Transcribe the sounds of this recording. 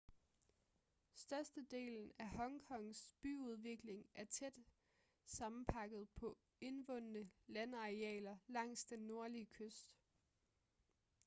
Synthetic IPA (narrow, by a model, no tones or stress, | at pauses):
sd̥ɶɐsd̥əd̥e̝̰ːln̩æhɒ̽ŋkʰɒ̽ŋsb̥y̰uð̞ˠʋe̝ɡ̥le̝ŋʔæɐt͡sʰed̥ | sɑ̈mm̩pʰɑ̈ɡ̥ð̞̩ˠpʰɒ̽ | e̝nʋɔ̽nənəlænɑ̈ʁeɛ̰ːlɐlɑ̈ŋ̰sd̥enːo̝ɐliəkʰøsd̥